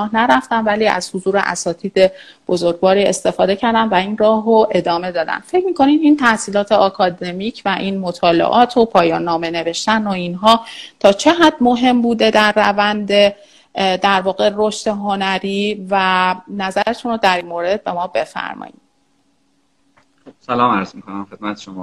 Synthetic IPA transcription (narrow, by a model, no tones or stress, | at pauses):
hnæɾæft̪ænvæliːæ̰z̥hozuːɾḛʔæ̰sɒːt̪ʰiːd̪e̞b̥o̞zo̞ɾɡvɒːɾiːe̞̰st̪e̞fɒːd̪e̞cʰæɾd̪ænvæinrɒːɦoʔe̞d̪ɒːme̞d̪ɒːd̪æ̰n̥fe̞cʰmiːkʰo̞nid̪iːnt̪ʰæhsiːlɒːt̪ʰeɒkʰɒːd̪e̞miːcʰvæʔinmo̞t̪ʰɒːlḛʔɒːt̪ʰopʰɒːjɒːnːɒːme̞ne̞ve̞ʃt̪ænoinɦɒːt̪ʰɒːt͡ʃʰe̞ɦæd̪mo̞ɦe̞mbuːd̪e̞d̪æɾːævænd̪e̞ | d̪æɾvɒːɣe̞ɾo̞ʃt̪e̞ɦo̞næɾiːvænæzæɾet̪ʰunod̪æɾinmoːɾe̞d̪̚be̞mɒːbe̞fæ̰ɾmɒ̰jḭd | bsælɒːmæɾzmikʰonæmxed̪̥̚mæt̪ʰeʃomɒː